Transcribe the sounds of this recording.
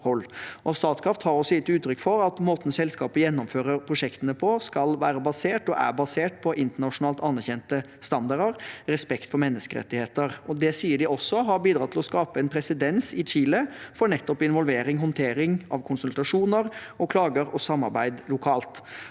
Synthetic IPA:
hɔlːʔɔst̪ɑːt̪skʰɾɑft̪hɑɾɔsːɔjɪt̪ːʉːt̪ʰːɾʏkːfɔɾɑt̪moːt̪ən̩sɛlskɑːpəjɛnːɔmføːɾəɾpʰɾʊʂɛkt̪ənəpʰɔskɑlʋæːɾəbɑseːʈɔʔæ̰ɾbɑseːʈ̚pʰɔʔɪnt̪əɳɑʂʊnɑːlt̪ɑnːæɾçɛnt̪ə | st̪ɑnd̪ɑɖəɾɾɛspɛkt̪fɔɾmɛnːəskəɾɛ̰t̪ːɪheːt̪əɾɔd̪ɛsiːəɖɪʔɔsːɔɦɑɾbiːd̪ɾɑːt̪ʰɪlɔskɑːpəɛnpʰɾɛsɪd̪ɛnsɪt͡ʃiːləfɔɾɳɛt̪ːɔpɪnʋɔlʋeːɾɪŋɦɔnt̪ʰeːɾɪŋɑ̰ʋkʰʊnsʉlt̪ɾɑʂuːnəɾɔkʰlɑːɡəɾɔsɑmːɑɾbæɪd̪lʊkʰɑːlt̪

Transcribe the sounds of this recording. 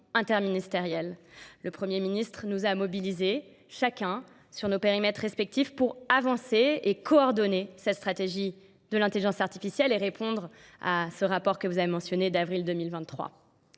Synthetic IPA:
ɛ̃t̪ɛʁminist̪eʁjɛlləpχəmjeminist̪χənuzamɔbilize | ʃakʲɛ̃ | syʁnopeʁimɛt̪χespɛk̚t̪ifpuʁavɑ̃seekɔɔʁd̪ɔnesɛt̪st̪χat̪eʒi | d̪əlɛ̃t̪eliʒɑ̃saʁt̪i̥fisjɛleʁepʰɔ̃d̪ʁ | a̰səʁapɔʁkəvuzavemɑ̃sjɔned̪avʁild̪əmilvɛ̃t̪ːχwa̰

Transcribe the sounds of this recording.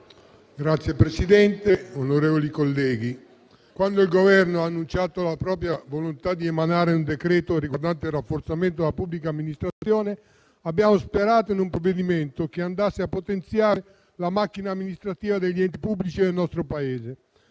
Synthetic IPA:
ɡɾat̪sjepɾesid̪ɛnt̪eonoɾeːvolikolːɛːɡi | kwand̪oilɡovɛrnoaːnːunt͡ʃaːt̪olapɾɔːpɾjavolont̪ad̪ːiemanaːɾeund̪ekɾɛːt̪orikoɾd̪ant̪erːafːort̪sament̪od̪elapublikaːmːinist̪ɾat̪sjɔːne | abːjaːmospeɾaːt̪oinumpɾovːed̪imɛnt̪ok̟eand̪asːeapːot̪ent̪sjaːɾe | lamak̟ːinaːmːinist̪ɾat̪iːvad̪eʎːiɛnt̪ipubːlit͡ʃid̪elnɔst̪ɾopaɛːze

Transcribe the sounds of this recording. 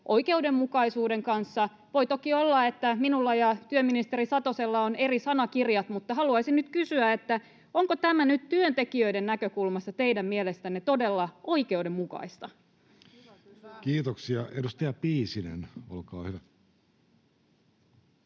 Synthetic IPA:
ʔo̞ike̞ude̞mːukɑisuːde̞ŋkɑnsːɑ | ʋo̞jt̪okiolːɑe̞t̪ːæminulːɑjɑt̪yømːinist̪e̞risɑt̪oselːɑone̞risɑnɑkirjɑt̪mut̪ːɑhɑluɑisinnyt̪kysyæet̪ːæ | oŋkot̪æmænyt̪t̪yønt̪e̞kiøide̞nnækøkulmɑst̪ɑt̪eijdæmmielest̪ænːet̪o̞de̞lːɑʔo̞ike̞ude̞mmukɑ̰ist̪ɑ | kiːt̪oksiɑedust̪ɑjɑpiːsinḛnolkɑ̰ːhyʋæ

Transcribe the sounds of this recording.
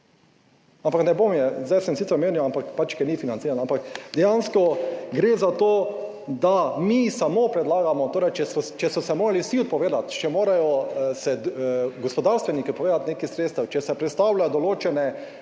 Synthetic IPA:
ampaknɛbomjɛzd̪ajsɛmsit̪əɾmeːniwampakpat͡ʃkɛnifinant̪siːɾanampakd̪ɛjanskɔɡɾeːzat̪oː | d̪amisamopɾɛd̪laːɡamɔt̪oːɾɛjt͡ʃɛst͡ʃɛsɔsɛmoːɾalisiɔt̪̚pɔʋeːd̪at̪t͡ʃɛmoːɾajɔsɛɡɔspɔd̪aɾst̪ʋɛnikiɔt̪pɔʋeːd̪at̪neːkisɾet̪st̪awt͡ʃɛsɛpɾɛt̪st̪awlajɔd̪ɔloːt͡ʃɛnɛ

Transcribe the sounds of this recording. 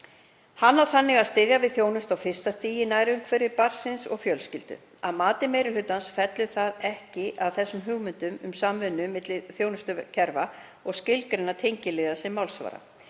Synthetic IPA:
hanːawθanːɪɣaðst̪ɪðjavɪðθjoːwnʏst̪awfɪr̥st̪ast̪iːjɪnaːjɾɪʏmkʰvɛːɾɪɾpar̥sɪnsɔ̰ɣfjœlscɪlt̪ʏ̰ | aðmaːt̪ɪmejɾɪlʏt̪ːansfɛt̪lʏθaðɛhcɪʔaðθɛsːʏmɦʏɣmʏnt̪ʏmʏmsamvʏnːʏmɪt̪lɪðθjownʏst̪ʏcʰɛɾva | ɔɣscɪlkɾɪnat̪ʰejɲcɪlɪðasɛmawlsva̰ːɾa̰

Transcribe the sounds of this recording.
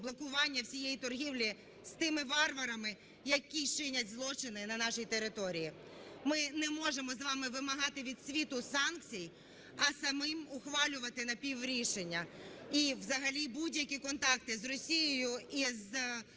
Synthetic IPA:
blˠɔkʊʋɑnʲːɐwsʲijejit̪ɔrɦʲiwlʲi | st̪ɪmɪʋɑrʋɐɾɐmɪ | jɐkʲit͡ʃɪnʲɐt̚ʲzlˠɔt͡ʃɪnɪnɐnɑʃijit̪eɾɪt̪ɔɾʲiji | mɪnɛmɔʒemɔzʋɑmɪʋɪmɐɦɑt̪ɪʋʲid̪sʲʋʲit̪ʊsɑnk̚t͡sʲij | ɐsɐmɪmʊxʋɑlʲʊʋɐt̪ɪnɐpʲiʋɾʲiʃenʲːɐiʋzɐɦɐlʲibudʲjɐkʲikɔnt̪ɑk̚t̪ɪzrɔsʲijɔjʊiz

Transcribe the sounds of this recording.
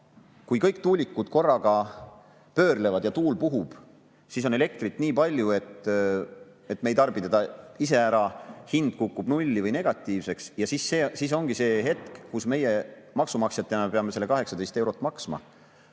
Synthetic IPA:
kujkɤjk̚t̪uːlʲikːˑud̪̥ko̞rːɑɡ̥ɑ | pø̞ːrle̞vɑd̪jɑt̪uːlpuɦub̥ | sis̬o̞nele̞k̚t̪rit̪ːˑniːpɑlʲjue̞t̪ː | e̞t̪ːˑme̞jt̪ɑrb̥it̪ed̪̥ɑis̬e̞æɾɑhind̪̥̚kukːub̥nulʲːivɤjne̞ɡ̥ɑt̪ːˑiːvse̞ksjɑsisːesiːs̬o̞ŋɡ̥ise̞ːɦe̞t̪kkusme̞je | mɑksumɑksjɑt̪ːˑeɑnepeɑmese̞lːe̞kɑɦe̞ksɑd̪est̪e̞wɾo̞t̪ːˑmɑksmɑ̰

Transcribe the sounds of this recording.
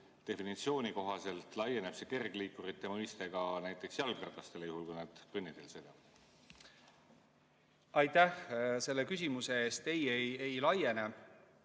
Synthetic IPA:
t̪e̞finit̪sio̞ːnʲiko̞ɦɑse̞lt̪ˑlɑjːe̞neb̥se̞ke̞rɡ̥liːkːuɾit̪ːe̞mɤjst̪e̞ɡ̥ɑnæjt̪ˑːe̞ksjɑlɡrɑrt̪lɑst̪e̞lejuhulkujnɑd̪̥kɤnːit̪ːelsed̪̥ɑ | ɑjt̪æhse̞lːe̞kys̬ʲimuse̞eːst̪e̞jejejlɑje̞ne

